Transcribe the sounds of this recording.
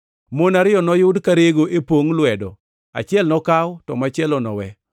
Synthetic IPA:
monaɾɪjɔnɔjʊdkaɾeɡoʔepwoŋlwɛdɔ | a̰t͡ʃɪɛlnɔkawtɔmat͡ʃɪɛlɔnɔ̰wɛ

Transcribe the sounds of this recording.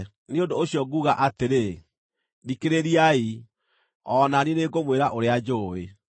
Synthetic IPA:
neondoːɕiɔɡuɣaʔateɾe | dikeɾeɾiai | ɔnanineɡomweɾaʔoɾead͡ʑoe

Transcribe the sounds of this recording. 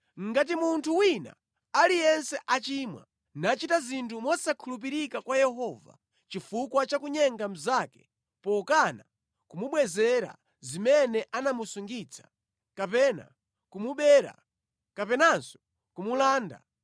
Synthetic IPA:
ŋ̩ɡat̬imuntʰuwina̰ | alijɛnsɛʔat͡ʃiːmwa̰ | nat͡ʃitazintʰumɔsakʰulup̬iɾikakwajɛɦɔva̰ | t͡ʃifukwat͡ʃakuɲɛŋɡam̩zakɛ̥ | pɔkana | kumuɓwɛzɛɾa̰ | zimɛnɛʔanamusuŋɡit͡sʰḁ | kapɛna̰ | kumuɓɛɾa̰ | kapɛnansɔ̥ | kumulaːnda̰

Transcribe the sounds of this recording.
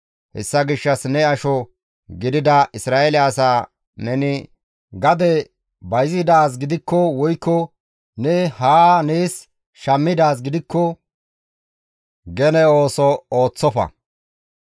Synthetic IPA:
hɛ̰sːɐɡɪʃːɐsnɛɐʃɔ | ɡɪd̪ɪd̪ɐʔɪsɾaːɛlɪɐsaː | nɛnɪ | ɡɐd̪ɛ | bɐjzɪd̪aːs̬ɡɪd̪ɪkːɔwɔjkːɔ | nɛhaːneːs | ʃɐmːɪd̪aːs̬ɡɪd̪ɪkːɔ | ɡɛnɛo̞ːsɔoːt͡sːɔfɐ̰

